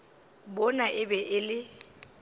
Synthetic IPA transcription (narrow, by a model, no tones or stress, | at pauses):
bɔnaʔɪbɛʔɪlɪ